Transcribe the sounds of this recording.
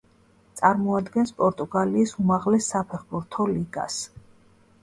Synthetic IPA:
t̪sʼaɾmɔad̪ɡɛnspʼɔɾt̪ʼuɡaliːsumaʁlɛsːapʰɛχbuɾt̪ʰɔliɡa̰s

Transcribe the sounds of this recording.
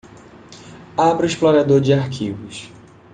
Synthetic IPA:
abɾʊiʃploɾad̪oɾd͡ʒɪaɾkʰivʊs

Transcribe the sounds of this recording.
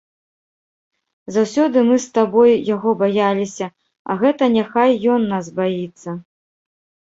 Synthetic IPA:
zawsʲɔd̪ɨmɨst̪abɔjjaɣɔbajalʲisʲɐ | ɐ̰ɣɛt̪ɐnʲaxajːɔnːasbajit̪sːɐ

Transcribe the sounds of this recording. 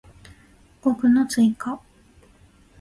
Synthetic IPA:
ɡ̥okɯ̟not͡sɨiŋka

